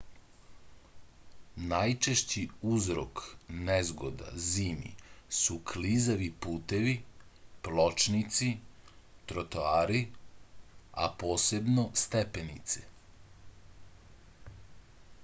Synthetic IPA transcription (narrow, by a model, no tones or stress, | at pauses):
najt͡ʃeʃt͡ɕiuzɾo̰knezɡo̰d̪a̰ziːnḭsukʰlizaʋipuːt̪eʋiplot͡ʃnit̪sit̪ɾot̪oaːɾi | a̰po̞ːse̞bno̞st̪epenḭt̪se